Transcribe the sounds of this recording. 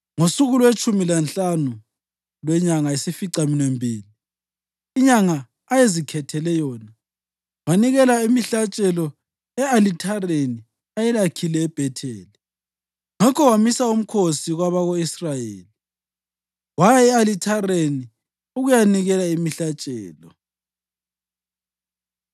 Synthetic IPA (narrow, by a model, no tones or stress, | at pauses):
ŋosuɣulwet͡ʃʼumilant͡ɬanu | lwɛɲaŋaesifiǀaminembʱiːliː | ɲaŋaː | jezikʰɛtʰɛlɛjɔːna | waniɣɛlaimiɬat͡ʃʼɛlɔ | ɛalitʰareni | ajɛlakʰilɛːb̥ʱɛtʰɛ̰ːlɛ | ŋakʰɔwamisaum̩kʰosiɣwaβaɣoisrajeːli | wajaɛalitʰareni | uɣujaniɣɛlaimiɬat͡ʃʼɛːlɔ